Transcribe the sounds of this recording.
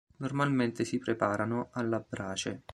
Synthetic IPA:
normalment̪ɪsipɾepaːɾanoʔalːabɾaːt͡ʃe

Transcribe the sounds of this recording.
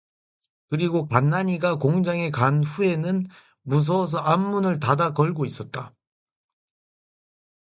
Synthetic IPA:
kɯɾiɡokanːaɲiɡakoŋd͡ʑaŋe̞kanɸue̞nɯn | mus̬ʰʌs̬ʰʌamːunɯɭtadakʌɭɡois͈ʌt̚t͈a

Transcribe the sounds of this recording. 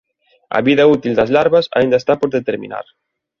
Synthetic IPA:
ɐ̰βiðɐut̪ild̪ɐzlaɾβɐsa̰ind̪ɐst̪apoɾðet̪eɾmḭ̃na̰ɾ

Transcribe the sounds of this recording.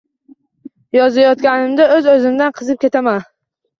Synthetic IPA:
jɒzajɒt̪kʲanɪmd̪aɵzɵzɪmd̪anqʰɨzɪp̚kʲe̞t̪ʰaman

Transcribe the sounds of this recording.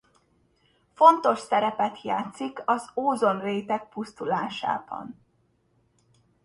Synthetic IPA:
fo̞nt̪o̞ʃsɛɾɛpɛt̪ja̰ːt̪sikɒzoːzo̞nreːt̪ɛk̚pust̪ulaːʃa̰ːb̥ɒ̰n

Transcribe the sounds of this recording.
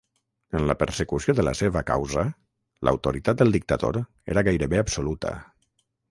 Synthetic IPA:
ənləpəɾsəkusioðələ̰seβəka̰wzə | lə̰wt̪uɾit̪at̪̚d̪əlˠd̪ik̚t̪əðo̰ɾ | ḛɾəɣajɾəβeabsulut̪ə̰

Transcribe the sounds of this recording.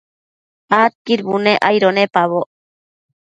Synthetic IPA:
at̪̚kiɾbuneʔajɾonepaβo

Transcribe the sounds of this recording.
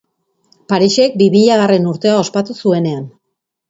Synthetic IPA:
paɾiʃe̞k̚bimiʎaɣ̞are̞nuɾt̪e̞ao̞spat̪usue̞ne̞an

